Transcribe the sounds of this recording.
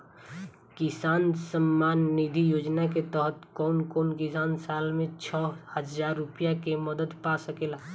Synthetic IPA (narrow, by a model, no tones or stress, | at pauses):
kɪsaːnsəmːaːnːid̪ʱijoːd͡ʒnaket̪əɦət̪kɔːnkɔːnkɪsaːnsaːlmẽt͡ʃʰɔhəzaːɾːʊpijakeməd̪əd̪pasəkeːla